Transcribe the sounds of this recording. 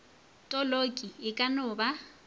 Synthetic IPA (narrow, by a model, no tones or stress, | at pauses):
tʼɔlokʼiɪkʼanʊba